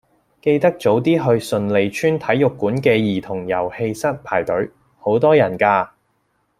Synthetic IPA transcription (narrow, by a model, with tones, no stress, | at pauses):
ke˧jt̪ɐ˥k̚t͡so˨˥wt̪iː˥ɦɵ˧ɥsɵ˨nle˨˧jt͡ʃʰyː˥nt̪ʰɐ˨˥jːʊ˨kːuː˨˥nkɛː˧jiː˨˩t̪ʰʊ˨˩ŋjɐ˨˩whe˧jsɐ˥t̚pʰaː˨˩jt̪ɵ˨˥ɥ | ho˨˥wt̪ɔː˥jɐ˨˩nkaː˧